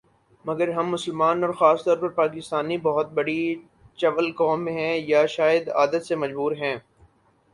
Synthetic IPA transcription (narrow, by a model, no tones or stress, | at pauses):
mɐɡəɾɦɐ̃mːʊsəlmaːnɔːɾxaːst̪ɔːɾpɐɾpaːkɪst̪aːnːibɔɦʊt̪̚bɐɽi | t͡ʃɐʋəlkɔːmːẽɦɛ̃jaʃaːjəd̪aːd̪ət̪semɐd͡ʒbuːɾɦɛ̃ː